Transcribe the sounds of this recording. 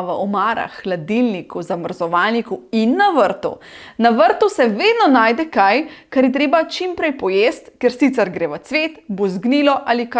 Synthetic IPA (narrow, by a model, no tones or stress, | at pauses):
ʋɐɔmaːɾa̰xːlad̪ilnikuzaməɾzɔʋaːlnikuinːaʋəɾt̪ṵnaʋəɾt̪usɛʋeːd̪nɔnaːjd̪ɛkajkaɾjɛt̪ɾeːbat͡ʃimpɾɛjpɔjeːst̪kɛɾsit̪sɛɾɡɾeːʋət̪sʋeːt̪buzɡniːlɔʔalika